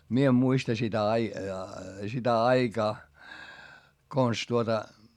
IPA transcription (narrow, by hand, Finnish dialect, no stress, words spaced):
mie em muistɑ sitæ ɑi sitæ ɑikɑː kons tuotɑ